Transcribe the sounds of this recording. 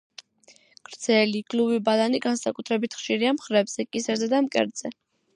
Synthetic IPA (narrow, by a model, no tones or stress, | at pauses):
ɡ̥ɾd̪z̥ʰɛliɡ̥luvibalaniɡansakʼut̪ʰɾɛbit̪ʰχʃiɾiamχɾɛbz̥ɛkʼisɛɾzɛd̪amkʼɛ̰ɾd̪z̥ɛ